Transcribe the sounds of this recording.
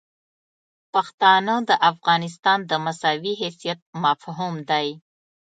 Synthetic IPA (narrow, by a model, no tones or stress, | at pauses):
paxt̪ɑnəd̪əʔafɣɑnɪs̬t̪ɑnd̪əmasawiɦesijat̪̚mafɦumd̪aj